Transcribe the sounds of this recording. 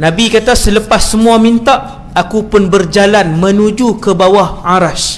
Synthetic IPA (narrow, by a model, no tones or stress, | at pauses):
nãbikat̪asələpasːəmũamint̪aʔ | akupʊnbərd͡ʒalanmə̃nũd͡ʒukəbawahaɾas